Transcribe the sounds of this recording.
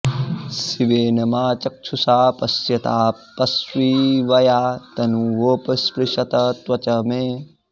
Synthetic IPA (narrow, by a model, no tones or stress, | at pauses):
siʋeːnɐmaːt͡ʃɐk̚t͡ʃʰusaːpɐsjɐt̪aːpɐswiːʋɐjaːt̪ɐnuʋoːpɐspɾiʃɐt̪ɐt̪wɐt͡ʃɐmeː